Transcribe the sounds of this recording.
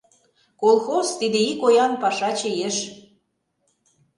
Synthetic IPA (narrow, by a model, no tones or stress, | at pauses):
kolˠxozt̪id̪ĕikojɑnpɑʃɑt͡ɕejeʃ